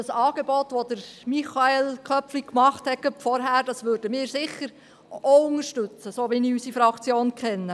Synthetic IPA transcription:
ɑsɑːɡ̥ebɔt̪ʋod̥̪əɾmiχɑelkʰœpflikmɑχthɛkəfɔɾɦæːɾd̥ɑsʋøːɾd̥əmɪːɾsɪχːəɾ | oʊŋəʃtʉt͡səsoːʋiniysifɾɑkt͡sjoːnkχɛnːə

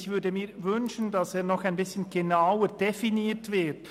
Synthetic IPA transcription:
çv̥ʏɐdəmiːvʏnʃən̩dɑseːɐnɔxaɪnbɪsçən̩ɡ̥enaʊəd̥efiniːtv̥ɪt

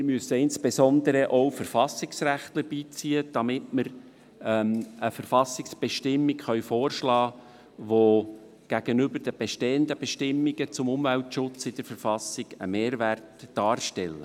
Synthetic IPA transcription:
mɪɾmyəsəɪnspesɔnd̪əɾəʔɔwfəɾfɑsɪksɾæχt̪ləɾbiːt͡siːəd̥ɑmɪtməɾ | məfəɾfɑsɪksb̥eʃtɪmːikχœɥfoːrʃlɑː | ʋo | ɡ̥æɡ̥ənʏbəɾd̥əb̥ɛʃteːənd̪əbɛʃtɪmːiɡət͡sʊmʊmvæltʃʊt͡sɪd̥̪əɾfəɾfɑsɪɡ̥əmeːɾʋærtd̥ɑːrʃtɛlːə̰

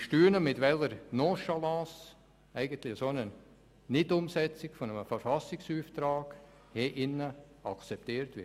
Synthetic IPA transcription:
ʃtyːənəmɪtʋɛləɾnoːʃalɑ̃ːs | æɪɡəntlɪəsonə | nɪtʊmsɛt͡sɪkfɔnəməfəɾfɑsɪksyːftɾaːɡ̥ | hɛʔɪnːəɑ̰kt͡sɛp̚t̪iːɾtʋɪ̰

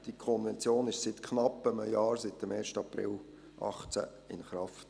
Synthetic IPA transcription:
d̥ikʰɔnvɛnt͡sjoːnɪʃsɪt̪kʰnɑpːəməjɑːɾsɪt̪ːəmeːʃtəɑpɾɪ̰l | ʔɑ̰χt͡sæ̰ | ɪ̰nχɾɑft

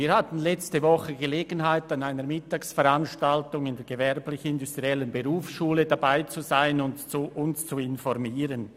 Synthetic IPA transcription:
viːɐhatn̩lɛt͡stəvɔχəɡəleːɡənɦaɪtanaɪnəɾmɪtaːksfɛɾanʃtaltʊŋɪndɛːɡ̥əvɛɾplɪçnɪndustʁiɛlənbəʁuːfsʃuːlədabaɪt͡suzaɪnʊntt͡suʔʊnst͡suɪnfɔɾmiːʁən

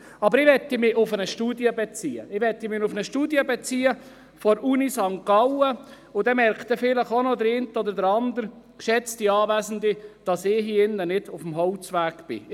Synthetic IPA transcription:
ɑbəɾɪʋɛt̪ːimɪʔʊfənəʃtuːdjəbet͡siːə̰ɪʋɛt̪ːimɪnʊfnəʃtuːdjəbɛt͡siːə | fɔɾʔunisɑŋkːɑwə | ʊd̪ɛmɛɾkt̪əfɪləχonod̪əɾentəɔd̪ədəɾɑnd̪əɾ | ʃɛt͡st̪iɑːʋæːzn̩d̪id̥ɑsɪːɦiɪnːənɪd̥ʊfm̩ɦɔlt͡sʋæːɡb̥ɪ̰

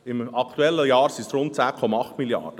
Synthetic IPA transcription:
ɪmɑkʰt̪uɛlːəjɑːɾsisɾʊnt̚t͡sæːkʰɔmɑɑχt̪miljɑ̰d̥ə

